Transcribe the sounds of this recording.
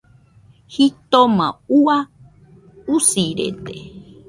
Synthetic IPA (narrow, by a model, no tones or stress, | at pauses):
hit̪omã̰ua | usiɾḛt̪e